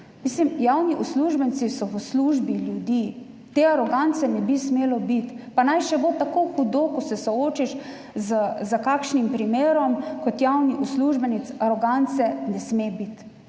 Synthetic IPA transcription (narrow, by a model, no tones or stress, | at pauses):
mislimjawniʔusluʒbɛnt̪sisɔʋəsluʒbiljud̪i | t̪eaɾɔɡant̪sɛnɛbismeːlɔbit̪panajʃɛbot̪akoxud̪okɔsɛsɔoːt͡ʃiʃ | zəzəkakʃnimpɾimeːɾɔmkɔt̪jawniʔusluʒbɛnit̪saɾɔɡant̪sɛnɛsmebit̪